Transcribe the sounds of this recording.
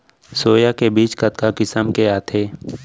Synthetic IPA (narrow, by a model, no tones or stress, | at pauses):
soːjakebiːt͡ʃkət̪kakɪsəmkeaːt̪ʰeː